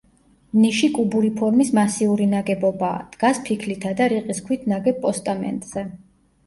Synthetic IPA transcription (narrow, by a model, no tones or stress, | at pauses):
niʃikʼubuɾipʰɔɾmismasiuɾinaɡɛbɔbaːd̪̥ɡaspʰikʰlit̪ʰad̪aɾiqʼiskʰwit̪ʰnaɡɛp̚pʼɔst̪ʼamɛ̰nt̪ʼz̥ɛ